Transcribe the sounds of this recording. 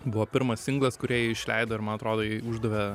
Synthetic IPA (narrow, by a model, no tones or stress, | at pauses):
bʊʋoːpʲɪɾmɐsɪŋɡlˠɐskʊɾʲiɛjiɪʃʲlʲɛɪd̪oːɪɾmɐnɐt̪ɾoːd̪oːjɪʊʒd̪ɐʋʲe